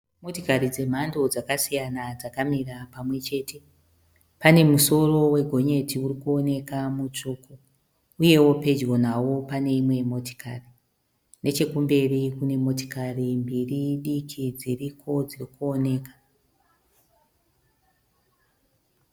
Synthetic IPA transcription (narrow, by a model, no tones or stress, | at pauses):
mo̞tokarid͡ze̞m̤ando̞d͡zakasijanad͡zakamirapamwe̞t͡ʃe̞ːte̞ | pane̞muso̞ro̞we̞ɡʱo̞ɲe̞tʰiuɾikuo̞ne̞kamut͡ʂuːko | uje̞wo̞pe̞d͡ʒɣo̞nawo̞pane̞imwe̞mo̞to̥kari | ne̞t͡ʃe̞kumbe̞rikune̞mo̞t̬o̥karimbiriɗikʰid͡zirikʰo̞d͡zirikuo̞ne̞ːkḁ